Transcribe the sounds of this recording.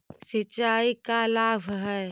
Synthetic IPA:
sət͡ʃaːikalaːbʱɦɛ

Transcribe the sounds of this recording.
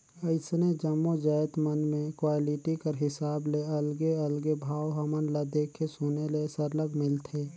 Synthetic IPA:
əɪsned͡ʒəmːod͡ʒaːɪt̪mənmẽkwaːlɪʈikɐɾɦɪsaːbleɐlɡeɐlɡebʱaːwɦɐmənlad̪eːkʰːesʊnelesəɾləɡmɪlt̪ʰeː

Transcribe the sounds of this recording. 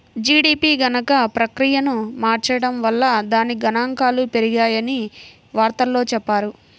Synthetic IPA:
d͡ʒiːɽiːpiːɡɐnɐkɐpɾɐkɾijɐnumaːɾt͡ʃɐjɐɽɐmʋɐlːɐd̪aːniɡɐnaːŋkaːlupe̞ɾiɡaːjɐni | ʋaːɾt̪ɐlːo̞ːt͡ʃɛpːaːɾu

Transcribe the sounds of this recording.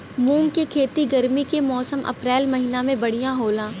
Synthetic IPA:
mũːŋkekʰeːt̪iɡɐɾmikemɔːsəmʔɐ̰pɾɛːlmɐɦinamẽbɐɽ̤ijãɦoːlãː

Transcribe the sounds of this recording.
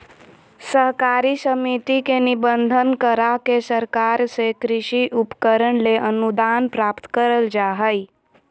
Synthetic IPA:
səɦkaɾisəmit̪ikenibənd̪ʱənkəɾakesəɾkaːɾsekɾɪʃiʔupkəɾəɽleʔənud̪anpɾaːpt̪kəɾəld͡ʒaɦəj

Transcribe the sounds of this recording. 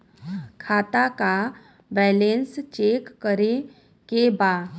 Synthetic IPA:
kʰaːt̪aka | bɛːlẽnst͡ʃeːkːəɾe | kebaː

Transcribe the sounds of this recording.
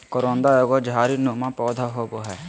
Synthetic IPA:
kɔɾõːnd̪aeːɡod͡ʒɦaːɾinomãpɔːd̪ʱaɦoːboɦɛː

